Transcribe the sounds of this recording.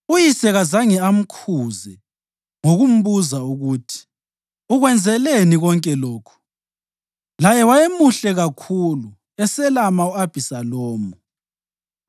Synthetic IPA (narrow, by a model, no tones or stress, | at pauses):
ujisɛɣazaŋɛam̩kʰuːzɛ | ŋoɣum̩βuzauɣutʰi̥ | uɣwɛnd͡zʱɛleniɣɔŋkʼɛlɔːkʰu̥ | lajɛwajemuɬɛɣakʰulu | ɛsɛlamauab̥ʱisalɔːmu